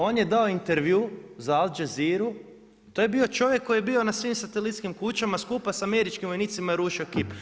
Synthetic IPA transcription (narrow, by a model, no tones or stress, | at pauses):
o̞ːnjed̪aoint̪eɾʋjuzaalˠd͡ʒeziɾu | t̪oje̞bio̞t͡ʃo̞ʋje̞kːo̞jebio̞nasʋimsat̪elit̪skimkut͡ɕamaskuːpasame̞ɾit͡ʃkimʋo̞jniːt̪simaeɾuʃio̞kip